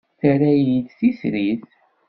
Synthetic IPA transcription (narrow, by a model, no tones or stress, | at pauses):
θəɾæjid̪θisɾiθ